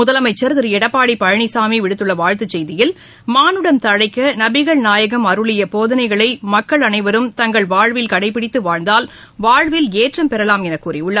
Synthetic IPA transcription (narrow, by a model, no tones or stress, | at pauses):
mʊðɐlɐmɐɪt͡ʃːɐɾðɪɾɛɽɐpːaːɽipɐɻɐɳisaːmiʋɪɽɯt̪ːɯɭːɐʋaːɻt̪ɯt͡ʃːɛjðɪjɪl | maːnɯɽɐnt̪ɐɻɐɪkːɐnɐbɪɣɐɭnaːjɐɣɐmɐɾɯɭɪjɐpoːðɐnɐɪɣɐɭɐɪmɐkːɐɭɐnɐɪʋɐɾɯmt̪ɐŋɡɐɭʋaːɻʋɪlkɐɽɐɪpːɪɽɪt̪ːɯʋaːɻnd̪aːl | ʋaːɻʋɪleːʈrɐmpɛɾɐlaːmɛnɐkːuːrɪʊɭːɐ